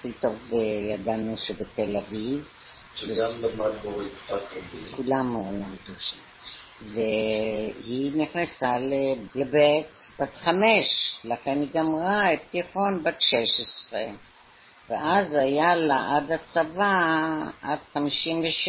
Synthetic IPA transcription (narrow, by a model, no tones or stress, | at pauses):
aχito̞vbejad̪anuʃebetelaviv | veamatboʁiatkulamlamd̪uʃam | ve | hiniχnasalelebetb̥at̪χameʃlaχenhiɡamʁaet̪iχo̞nbatʃeʃesʁḛ | veʔazajalaʔadat͡savaʔad̥χamiʃimveʃ